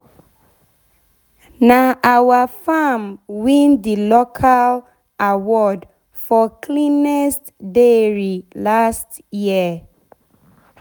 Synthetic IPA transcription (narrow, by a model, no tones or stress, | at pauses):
naʔawafamwĩndilokʰal | awɔd | fɔkʰlĩnɛst | deɹilast | jiə